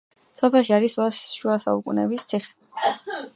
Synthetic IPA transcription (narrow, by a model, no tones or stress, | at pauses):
sɔpʰɛlˠʃiaɾiswasʃuasa̰ukʼunɛ̰bist̪sʰiχɛ̥